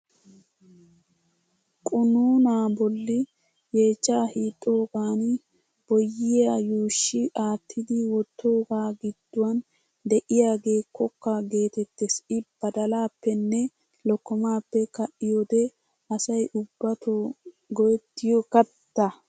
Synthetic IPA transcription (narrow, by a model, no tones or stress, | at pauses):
kʼʊnuːnaːbɔlːɪ | je̞ːt͡ʃːaːhiːt̪ʼːo̞ːɡaːn | b̥ɔjːɪjajuːʃːɪʔaːt̪ʰːɪd̪ɪwɔt̪ːo̞ːɡaːɡɪd̪ːʊwɐn | d̪ɛʔɪjaːɡe̞ːkːɔkːɐɡe̞ːt̪ɛt̪ːesɪb̥ɐd̪ɐlaːpːɛnːɛ | lɔkːɔmaːpːɛkɐʔɪjod̪ɛ | ɐsɐjʔʊbːɐt̪o | ɡɔjɛt̪ːɪjɔkɐt̪ːɐ